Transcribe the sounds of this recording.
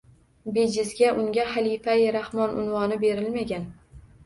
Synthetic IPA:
bed͡ʒɪzɡʲaʔʊŋɡʲahalifajɾahmɒnʊ̰nvɒnɪbeɾɪlmaɡʲan

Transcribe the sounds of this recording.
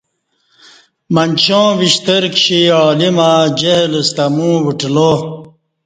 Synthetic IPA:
mɐnt͡ɕõːʋiɕt̪eɾkɕiɔːlimãd͡ʑeɦlst̪ɐmũːwiʈloː

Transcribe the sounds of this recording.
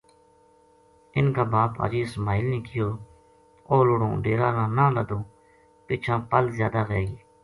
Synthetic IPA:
ɪnkaːbaːpa̰ːd͡ʒiːsmaːɪlnĩːkɪjoː | oːlʊɽõːɖeːɾãːnãːnãːləd̪õː | pɪːt͡ʃʰãːpəlzjaːd̪aːɣeːiː

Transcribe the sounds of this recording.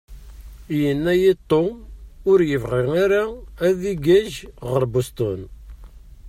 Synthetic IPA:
jənːæjet̪ˤːoʊɾjəvʁɪʁaɾaæðiɡæʒʁəɾbust̪ˤon

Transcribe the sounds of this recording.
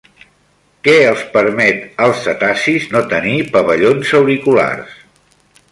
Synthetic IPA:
kɛəlˠspəɾmɛt̪əlˠstət̪asiznot̪ənipəβəʎonzəwɾikula̰rs

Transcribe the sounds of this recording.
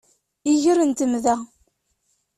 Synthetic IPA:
iʝəɾənt̪əmðæ

